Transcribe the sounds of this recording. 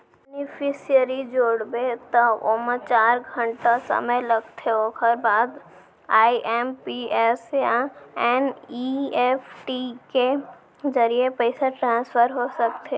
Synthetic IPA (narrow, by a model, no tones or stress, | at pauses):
bɛnɪpʰisijəɾid͡ʒoːɽbet̪oomət͡ʃaːɾɡʱə̃ɳʈasə̰məjlɐɡt̪ʰeokʰəɾbaːd̪ | aːiʔɛmpiɛseãɛːniɛpʰʈike | d͡ʒəɾiepəɪsaʈɾãːnspʰəɾɦosək̚t̪ʰe